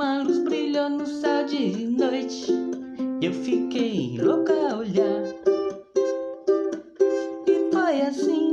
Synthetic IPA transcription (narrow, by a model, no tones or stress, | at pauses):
ɐ̃luzbɾiʎonʊsawd͡ʒɪnojt͡ʃɪ | ewfikejḛ̃j̃lokaoʎaɾ | ifojasĩ